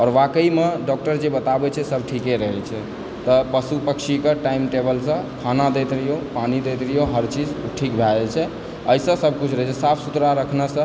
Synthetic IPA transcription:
ɔːɾʋakəimeɖɔk̚ʈəɾd͡ʒebət̪abɛt͡ʃʰɛsəb̚ʈʰikeɾəɦɛt͡ʃʰɛ | t̪ɔpəsupəkʃikeʈaimʈebəlsə̃kʰanad̪et̪ɾijopanid̪et̪ɾəjoɦəɾt͡ʃid͡ʒʈʰikbʱalt͡ʃʰɛ | əisə̃səb̚ʱkut͡ʃʰɾəɦɛt͡ʃʰɛsapʰsut̪ɾaɾəkʰnəsə̃

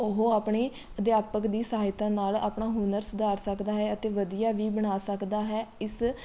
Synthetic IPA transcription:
ʊɦoaːpɳiː | əd̪ɪjaːpəkd̪iːsaːaɪt̪ãːnaːla̰ːpɳaːɦʊnəɾsʊd̪ʱaːɾsəkd̪aːɦɛːət̪eːʋəd̪ijaːʋiːbəɽ̃aːsəkd̪aːɦɛːɪs

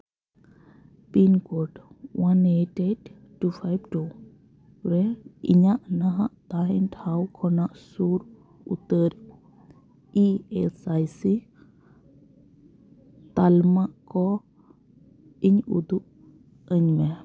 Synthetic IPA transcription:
pinkoʈwaneʈedː | upʰajbʈo | ɾɛḭɲaʔnaɦaʔt̪aɦinʈʰawkʰɔnaʔsuɾ | ṵt̪əɾ | iesajsi | t̪almaʔkɔ | iɲṵd̪uʔ̚ | əɲmɛ

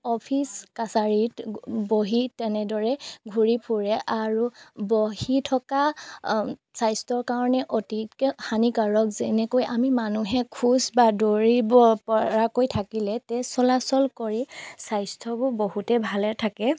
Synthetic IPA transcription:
ɔpʰiskasaɹitboɦitɛnɛdɔɹɛɡʱuɹipʰuɹɛʔaɹuboɦitʰɔka | sajstɔɹkaɹɔnɛʔotikhanikaɹɔkzɛnɛkojʔamimanuɦɛkʰusbadoɹibɔpɔɹakojtʰakilɛtɛsɔlasɔlkoɹisajstʰɔbʊboɦutɛbʱalɛtʰakɛ

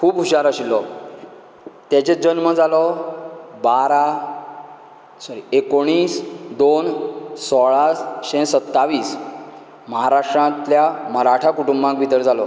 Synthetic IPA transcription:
kʰuːbɦuɕaɾaɕilɔ | t̪jat͡ɕed͡ʑənməd͡zalɔ | baɾa | saɾiekoɽ̃iːsd̪onsɔɭasɕɛ̃sət̪ːaʋiːs | məɦaɾaʂʈɾãt̪ljaməɾaʈʰakuʈumbãkʋit̪əɾd͡zalɔ

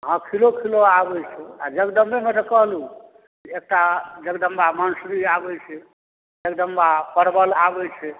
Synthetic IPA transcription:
ɦãkʰilokʰiloabɛjt͡ʃʰɛa̰d͡ʒəkɖəmbemẽt̪ekəɦlũ | d͡ʒeek̚ʈad͡ʒəɡɖ̪əmbamənsɾiabɛt͡ʃʰɛ | ekɖ̪əmbapəɾbəlabɛt͡ʃʰɛ

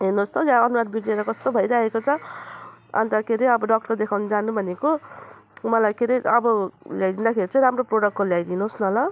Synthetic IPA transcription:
ɦenost̪ʰʌjãʌnuɾaʈ̚biɽeɾʌkʌst̪obʱʌjɾaɦekot͡sʰʌ | a̰nt̪akʰeɾiʌbʌɖʌk̚ʈʌrd̪ekʰawnid͡zanubʱʌneko | mʌlajkʰeɾiʌbʌljajd̪ind̪akʰeɾit͡sʌĩɾamroproɽʌk̚ːoljajd̪inuɦosnʌlʌ

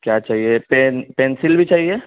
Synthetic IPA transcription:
kjaːt͡ʃaːɦiepenpẽːnsɪlbʱit͡ʃaːɦieː

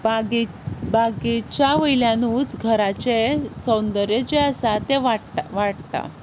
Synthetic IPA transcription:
baɡi | baɡit͡ɕjaʋəiljãnuːt͡sɡʱəɾat͡ɕesənd̪əɾjet͡ɕeəsat̪eʋaɽaʋaɽt̪a̰

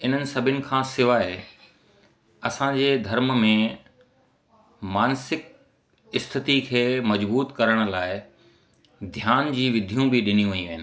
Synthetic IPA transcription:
ɪn̤ənɪ̆sɐbʱɪʊnɪ̆kʰãːsɪʋaːe | ɐsãd͡ʑeːd̪ʱɐɾmmẽ | maːnsɪk̚ | ɪst̪ʰɪt̪ikʰeːmɐd͡ʑbuːt̪kɐɾəɽ̃ʊ̆laːɪ | d̪ʱjaːnd͡ʑiːʋɪd̪ʱijũbɪɗɪnijũʋɐĩʋɐɦɪnɪ̆

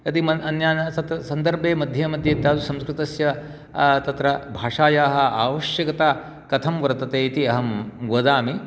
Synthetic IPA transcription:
ɐt̪imɐɐnjaːnɐsɐt̪ɐsɐnd̪ɐɾbeːmɐd̪ʱjɐmɐd̪ʱjeːt̪aːd̪usɐ̃mskɾɪt̪ɐsjɐ | t̪ɐt̪ɾɐbʱaːʂaːjaːɦɐ̆aːʋɐʃjɐkɐt̪aː | kɐt̪ʰɐmʋɐɾɐt̪ɐt̪eːit̪iɐɦɐmɡɐd̪aːmi

